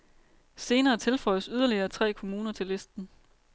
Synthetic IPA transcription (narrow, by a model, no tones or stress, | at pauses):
se̝ːnɐːt͡sʰe̝lfɒ̽ɪ̰əsyð̞ˠɐliɐːt͡sʰʁɛ̰ːkʰo̝muːnɐt͡sʰe̝lesd̥n̩